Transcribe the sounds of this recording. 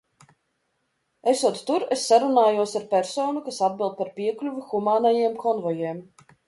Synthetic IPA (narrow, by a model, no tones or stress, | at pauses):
esuɔt̪t̪uɾesːaɾunaːjuɔsaɾpʲɛɾsɔːnukasad̪̚bʲilˠd̪̚paɾpʲiɛklʲuvʲixumaːnajeɛmkʰɔnvɔjɛːm